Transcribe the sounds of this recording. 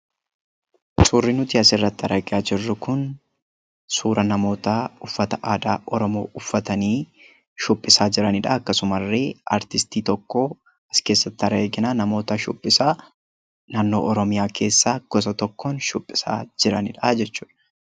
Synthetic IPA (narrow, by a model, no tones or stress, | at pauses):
suːrːɪnʊt̪iːɐsɪrːɐt̪ːɪɐɾɐɡɪaːd͡ʒɪrːʊkʊn | suːɾɐnɐmo̞ːt̪aʊfːɐt̪ɐʔaːd̪aːʔɔɾɔmo̞̰ːʊfːɐt̪ɐniː | ʃʊpʼːɪsaːd͡ʒɪɾɐnɪᶑɐɐkːɐsʊmɐrːeːʔɐɾt̪ɪst̪iːt̪ɔkːo | ɐske̞ːsːɐt̪ːɪɐɾeːɡɪnaːnɐmo̞ːt̪ɐʃʊ̰pʼːɪsaː | naːnːo̞̰ːʔɔɾɔmɪjaːkʰe̞ːsːaːɡ̥ɔs̬ɐt̪ɔkːoːnʃʊpʼːɪ̥sa̰ːd͡ʒɪɾɐnɪᶑɐd͡ʒɛt͡ʃːuːᶑɐ